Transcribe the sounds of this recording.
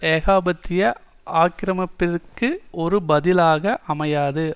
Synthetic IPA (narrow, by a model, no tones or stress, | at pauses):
eːɣaːbɐt̪ːɪjɐ | aːkɪɾɐmɐpːɪrkːɯɔɾɯbɐðɪlaːɣɐʔɐmɐjaːðɯ